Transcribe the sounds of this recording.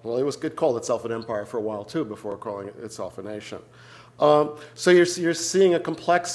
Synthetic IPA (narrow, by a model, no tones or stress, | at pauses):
wɛlˠɨt̚wʌzɨd̚kʰɔlˠdətsɛlˠfənɛ̃mpaɪə˞fə˞əwaɪlˠtʰʉbəfɔɹkʰɔlˠɪ̃ŋɪ̰tsɛ̰lˠfəneɪʃɨ̰̃n | soʊjə˞jə˞siɪ̃ŋɨkʰm̩pʰl̥ɛks